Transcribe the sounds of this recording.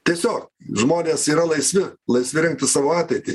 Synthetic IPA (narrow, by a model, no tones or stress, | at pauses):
t̪ʲiɛsʲoːkʒmoːnʲeːsiːɾɐlˠɐɪsʲʋʲɪlˠɐɪsʲʋʲɪɾʲɪŋk̚t̪ɪsɑːʋoːɑːt̪ʲɛɪt̪ʲɪ